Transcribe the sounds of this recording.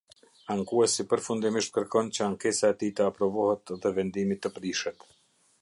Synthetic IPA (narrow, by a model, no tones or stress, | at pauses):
aŋkuɛsipəɾfund̪imiʃt̪̚kəɾkɔnt͡ɕəaŋkɛsaɛt̪it̪əapɾɔvɔhɛt̪ðɛvɛnd̪imit̪ːəpɾiʃɛt̪